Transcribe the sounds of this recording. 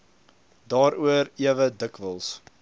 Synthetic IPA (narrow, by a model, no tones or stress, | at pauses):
dɑːɾuəɾiəvədəkvəlˠs